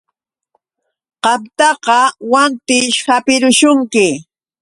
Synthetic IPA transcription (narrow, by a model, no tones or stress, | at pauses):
qɑmt̪ɑqɑwant̪ɪʃhapɪɾʊʃʊŋkɪ